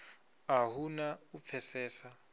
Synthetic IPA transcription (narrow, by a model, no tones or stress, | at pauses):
ahunaup̪fʰɛsɛːsa